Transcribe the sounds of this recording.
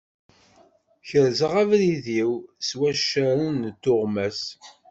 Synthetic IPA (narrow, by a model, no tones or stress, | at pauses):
çəɾzəʁævɾiðiwswæʃːæɾunt̪ːʊʁmæs